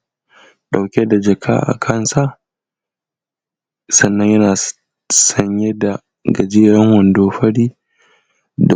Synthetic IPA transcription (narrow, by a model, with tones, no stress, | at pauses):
ɗa˨wkʲe˦da˨d͡ʒɐ˨kʰa̰ː˦ʔa̰˨kʰɐ˦˨nsa˦ | sɐ˨nːɐ˦ɲjɐ˦naː˨ | sɐ˦ɲje˦da˨ | ɡɐ˨d͡ʒeː˦ɾɐ˦ŋwɐ˨ndoː˦ɸɐ˦ɽiː˦ | d